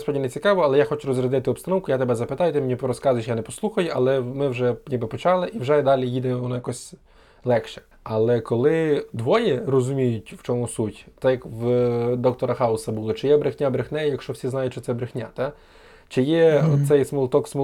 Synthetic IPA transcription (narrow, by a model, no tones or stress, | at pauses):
spɔdʲninet͡sʲikɑʋɔɐlˠɛjaxɔt͡ʃʊɾɔzrʲɐd̪ɪt̪ɪɔbst̪ɐnɔwkʊjat̪ebɛzɐpɪt̪ɑjʊt̪ɪɛmʲinʲipɔɾɔskɑzʊjʃjanɛpɔslˠuxɐjʊʔɐlˠɛmɪwʒɛnʲibɪpɔt͡ʃɑlˠɪʔiwʒɛd̪ɑlʲijid̪ɛʋɔnɔjɐkɔsʲ | lˠɛkʃɛ̥ | ɐlˠɛkɔlˠɪd̪ʋɔjɛrɔzʊmʲijʊtʲwt͡ʃɔmusutʲt̪ɛjɐkwd̪ɔk̚t̪ɔɾɐxɑʊsɐbulˠɔt͡ʃɪjɛbɾɪxnʲabɾɪxnɛjɛjɐkʃt͡ʃɔwsʲiznɑjʊtʲʃt͡ʃɔtsɛbɾɪxnʲa̰t̪a | t͡ʃɪjɛɔsɛjsmʊlˠt̪ɔksmʊ